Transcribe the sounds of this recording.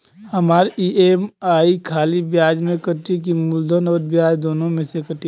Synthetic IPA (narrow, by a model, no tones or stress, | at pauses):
hɐmaːɾiemaːikʰaːlibjaːd͡ʒmẽkəʈik̬imʊld̪ʱənɔːɾbjaːd͡ʒd̪oːnõmẽsekəʈi